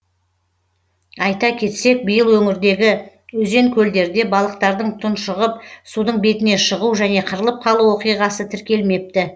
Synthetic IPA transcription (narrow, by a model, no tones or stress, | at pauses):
ɑjt̪ɑkʲʰe̞t̪se̞k̚bəjəlˠwɵŋɪɾd̪e̞ɡʲɪ | ɵze̞ŋkʲʰɵld̪e̞ɾd̪e̞bɑlˠəq̚t̪ɑɾd̪əɴt̪ʰʊnʃəʁəp̚sud̪əɴbe̞t̪ɪne̞ʃəʁuwʒæne̞qʰəɾəlˠəp̚qʰɑlˠuwo̞qijʁɑsət̪ʰɪɾkʲe̞lme̞p̚t̪ɪ